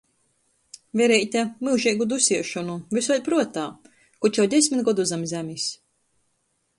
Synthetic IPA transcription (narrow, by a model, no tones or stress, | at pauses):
vɛɾɛjt̪ʲamilˠʒiːɡud̪usʲiɛʃɔnuvisad̪̚ʲpɾuɔt̪aː | kut͡ʃawd̪ʲesʲmʲit̪ɡɔd̪uzamzʲæmʲis